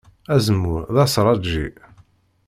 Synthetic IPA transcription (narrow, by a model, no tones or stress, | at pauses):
æzəmːuɾðɑsɾˤɑd͡ʒḭ